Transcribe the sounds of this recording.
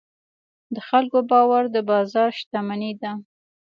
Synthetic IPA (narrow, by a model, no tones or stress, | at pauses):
d̪əxalkobɑwaɾd̪əbɑzɑɾʃt̪amanid̪a